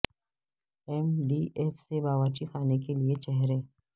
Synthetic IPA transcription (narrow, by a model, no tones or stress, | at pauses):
ɛmɖiːʔeːfsebaːʋaːt͡ʃixaːnekeliet͡ʃɛɦɾẽː